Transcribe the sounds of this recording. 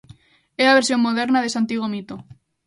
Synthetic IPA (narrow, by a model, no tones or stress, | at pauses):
eaβeɾsjoŋmoðeɾnaðesant̪iɣomit̪o